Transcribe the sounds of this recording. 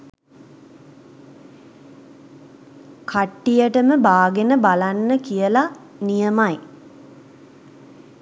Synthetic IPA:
kʰaʈːijəʈəməbaːɡenəbalanːəkijəla | nijəmaj

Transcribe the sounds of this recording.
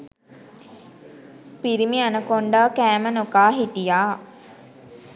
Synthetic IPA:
piɾimianəkoɳɖaːkæːmənokaːɦit̪ijaː

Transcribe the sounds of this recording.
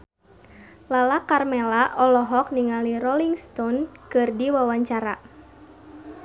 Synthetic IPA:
lalakarmɛlaʔɔlɔɦɔk̚niŋaliɾɔliŋst̪ɔnkɨrdiwawaɲt͡ʃaɾa

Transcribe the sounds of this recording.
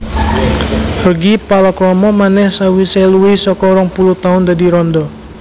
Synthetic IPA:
rrəɡipalakɾɔmɔmanɛhsawisajluɪsɔkɔɾaŋpuluht̪aʊndadiɾɔndɔ

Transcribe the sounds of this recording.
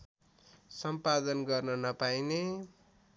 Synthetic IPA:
sʌmpad̪ʌnɡʌrnʌnʌpajne

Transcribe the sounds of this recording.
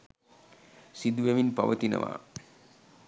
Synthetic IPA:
sid̪uʋeʋinpɐʋət̪inɐ̰ʋa̰ː

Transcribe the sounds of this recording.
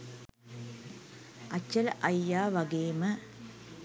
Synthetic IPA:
ɐt͡ɕːɐlʔɐjːaːʋɐɡeːmɐ

